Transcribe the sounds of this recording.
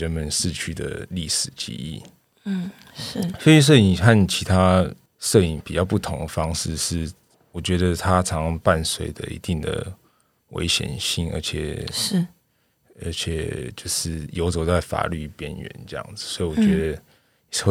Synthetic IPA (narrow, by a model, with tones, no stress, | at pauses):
ə˦nmə˨˦nʂɻ̩˥˧t͡ɕʰy˥˩d̪ə̰˩li˥˩ʂɻ̩˨˩t͡ɕḭ˧˥ḭ˥˩˥ | se˥y˧˥ʂ̬ɤ˥˩i˨˩ŋxa˥˨nt͡ɕʰi˧˥t̪ʰa˦ | ʂɤ˥˩i˨˩ŋpi˨˩t͡ɕjɑ˥˧ʊpu˥˩t̪ʰʊ˧˥ŋd̪ə˨fɑ˥ŋʂɻ̩˥˧ʂɻ̩˥˩ | wɔ˨˩t͡ɕɥɛ˧˥d̪ə˧t̪ʰa˦ʈ͡ʂʰɑ˧˦ŋpa˥˨nswe˥˩ɪd̪ə̰˨ḭ˧˥t̪i˥˩ŋd̪ə̰˩ | wḛ˧˥ɪɕjɛ̰˨˩nɕi˥˩ŋə̰˧˥t͡ɕʰjɛ̰˨˩˥ | ə˧˥t͡ɕʰjɛ˨˩t͡ɕjo˥˧ʊʂɻ̩˥˩jo˧˥ʊt͡so˨˩t͡sa˥˩ɪfa̰˨˩ly̰˥˩pjɛ˦˥nɥɛ̰˧˨˦nʈ͡ʂɤ˥˧jɑ̰˥˩ŋd͡z̩˨˩swɔ˧˥i˨wɔ˨˩t͡ɕɥɛ˧˦˥d̪ə˧˨˥